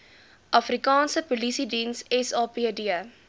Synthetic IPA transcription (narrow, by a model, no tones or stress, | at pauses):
ʔɐfɾikɑːnsəpolisidĩːnsɛsɑːpiədiə